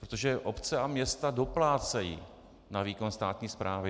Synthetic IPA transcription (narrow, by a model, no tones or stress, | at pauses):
pɾot̪o̞ʒɛʔo̞pt͡sɛamɲɛst̪ado̞plaːt͡sɛjḭː | naviːko̞nst̪aːt̪ɲiːspɾʔaːvɪ